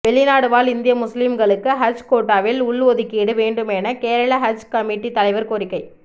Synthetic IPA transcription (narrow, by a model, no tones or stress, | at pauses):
ʋɛɭːɪnaːɽɯʋaːlɪnd̪ɪjɐmʊslimɡɐɭɯkːɯɦɐd͡ʒkoːʈːaːʋɪlʊɭʋoːðɪkːiːɽɯʋeːɳɖɯmɛnɐkeːɾɐɭɐɦɐd͡ʒkɐmɪʈːit̪ɐlɐɪʋɐɾkɔɾɪkːɐɪ